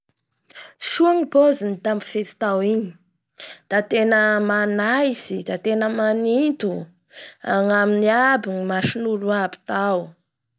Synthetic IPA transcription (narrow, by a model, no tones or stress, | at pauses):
ʃuaŋibozinid̪ambu̥fet̪i̥t̪awiɲi̥ | d̪̥at̪enəmanajsid̪at̪enəmanint̪u | a̰ŋaminiabinimaʃinuluabi̥t̪aw